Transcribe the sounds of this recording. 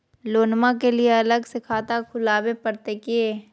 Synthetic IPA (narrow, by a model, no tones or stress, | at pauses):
loːnmãkelieɐləɡsɪkʰaːt̪akʰʊlaːwepəɾt̪ekeː